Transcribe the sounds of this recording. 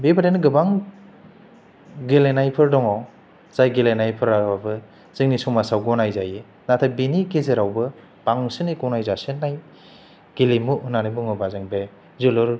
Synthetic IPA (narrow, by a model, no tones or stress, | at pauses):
bebʰadenɯɡɯbaŋ | ɡelenajpʰɯɾdɔŋaw | z̥ajɡelenajpʰɯɾawabɯ | ziŋnisɔŋmasawɡɔnajzaje | natʰabinikezeɾawbɯ | baŋsɯnikɔwnajzasɯnːaj | ɡ̥elimuɯnanibɯŋɯbazɯŋbe | zulɯɾ